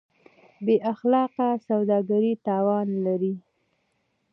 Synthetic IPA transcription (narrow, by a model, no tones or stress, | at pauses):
beʔaxlɑqasawd̪ɑɡaɾit̪ɑwɑnlaɾi